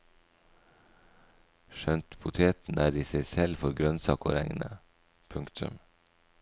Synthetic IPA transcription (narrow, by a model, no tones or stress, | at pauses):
ʃœnt̪pʰʊt̪ʰeːt̪n̩æːdiːsæɪsɛlfɔɾɡɾœnsɑ̰ːkɔɾɛŋnə | pʰʉŋkt̪ʰʉ̰m